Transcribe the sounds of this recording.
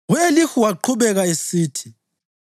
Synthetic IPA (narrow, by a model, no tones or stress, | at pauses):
ɣuelixuwaǃʰuβɛɣaesiːtʰi